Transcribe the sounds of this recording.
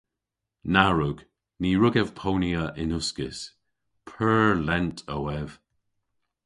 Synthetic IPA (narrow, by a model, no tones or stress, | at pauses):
naɹʊɡ̥ | niːɹʊɡɛv̥pʰowniəʔɪnʊskɪs | pʰɜːlɛntʰəwɛv̥